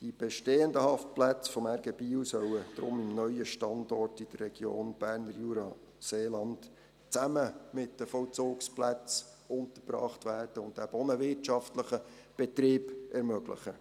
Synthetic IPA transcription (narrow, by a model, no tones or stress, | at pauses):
d̥ib̥ɛʃteːəndəhɑft̚plæt͡sfɔmæɾɡəbiːwsœwəd̥ɾʊ̰mɪmnœʏəʃtɑndɔrtid̥ərːɛɡ̥jo̰ːnb̥æːɾnəɾjuɾɑ | seːlɑnt | t͡sæməmɪtdəfɔlt͡sʊːksplæt͡s | ʊnt̪əɾb̥ɾɑ̰ːχtʋæːrd̥əʊntdæbɔnəvɪtt͡ʃɑftləχəb̥ɛtɾiːbɛɾmøɡlə̰χə